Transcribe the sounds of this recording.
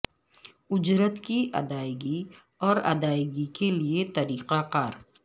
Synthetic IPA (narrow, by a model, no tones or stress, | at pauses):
ʊd͡ʒɾət̪kiʔɐ̰d̪aːɪɡi | ɔːɾɐ̰d̪aːɪɡikeliet̪ɐɾiːqaqaːɾ